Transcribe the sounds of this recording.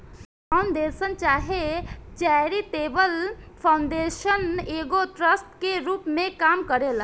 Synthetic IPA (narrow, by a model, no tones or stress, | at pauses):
kaʊnd̪eːsənt͡ʃaːɦet͡ʃɛɾit̪eːbəlpʰaʊ̃ɳɖeːʃəneːɡoʈɾəsʈkeɾuːpmẽkaːmkəɾela